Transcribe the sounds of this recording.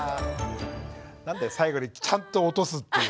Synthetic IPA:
nãnd̪e̞saiɡo̞ɲ̟it͡ɕãnt̪o̞ːt̪o̞sɨt̪ːe

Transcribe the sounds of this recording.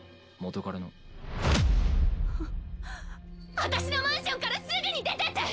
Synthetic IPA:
mot̪okaɾano | βat̪aɕino̞mãɰ̃ɕõ̞ŋkaɾasɨɡɯɲ̟id̪e̞t̪et̪e

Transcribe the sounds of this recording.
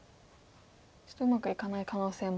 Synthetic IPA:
t͡ɕɨ̥t̪oɯ̟makɯ̟ikanaikano̞ːse̞ːm

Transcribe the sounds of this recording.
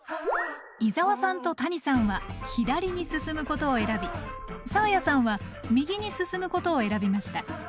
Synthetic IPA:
izaβasãnt̪o̞t̪aɲ̟isãɰ̃βaçid̪aɾʲiɲ̟isɨsɨmɯ̟ko̞t̪o̞ːe̞ɾabʲisaojasãɰ̃βamʲiɡʲiɲ̟isɨsɨmɯ̟ko̞t̪o̞ːe̞ɾabʲimaɕi̥t̪a

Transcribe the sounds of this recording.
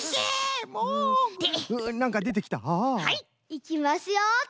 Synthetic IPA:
emoeɯnãŋkad̪e̞t̪̬e̞kʲi̥t̪a̰hai | ikʲimasɨjo

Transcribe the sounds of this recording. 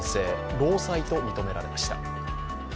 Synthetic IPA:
se̞ːɾo̞ːsait̪o̞mʲit̪o̞me̞ɾaɾe̞maɕi̥t̪a̰

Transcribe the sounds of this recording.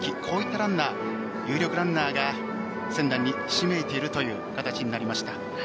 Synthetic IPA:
kʲikʰo̞ːit̪ːaɾãnːaː | jɯ̟ːɾʲo̞kɯ̟ɾãnːaːɡa | sẽ̞nd̪ãɲ̟ːi | ɕime̞ːt̪e̞iɾɯ̟t̪o̞jɯ̟ːkat̪at͡ɕiɲ̟inaɾʲimaɕi̥t̪a

